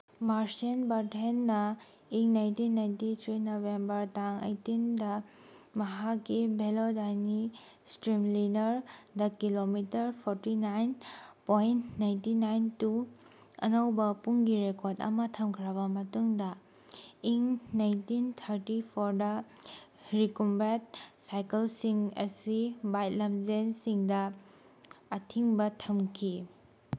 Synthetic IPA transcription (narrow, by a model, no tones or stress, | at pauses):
maɾsenbaɾtenːɐ | iŋnajntinːajntit̪ʰɾinobembɐɾtaŋḛjtindɐ | mɐɦakːibʱelodajni | stɾimlinɐɾdɐkilomitɐɾpʰoɾtinajnpojntnajntinajntu | ɐ̰nɐwbɐpuŋɡiɾekoɾdɐ̰mɐtʰɐmkʰɾabɐmɐtuŋdɐ | iŋnajntintʰɐɾtipʰoɾdɐ | ɾikumbat̚sajkelsiŋɐ̰sibajt̚lɐmzensiŋdɐː | tʰiŋbɐtʰɐmkʰi